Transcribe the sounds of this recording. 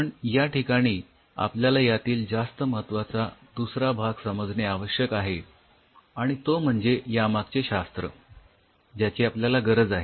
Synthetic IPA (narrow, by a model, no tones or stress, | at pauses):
pəɳjaʈikaɽ̃iː | a̰pljalajat̪iːld͡zast̪əməɦət̪ʋat͡sad̪usɾabʱaɡsəməd͡zʱɳeaʋəɕjəkaɦe | aɽ̃it̪om̤əɳd͡zejamaɡ̚t͡ɕeɕast̪ɾə̰ | d͡ʑjat͡ɕiapljalaɡəɾəd͡zaɦe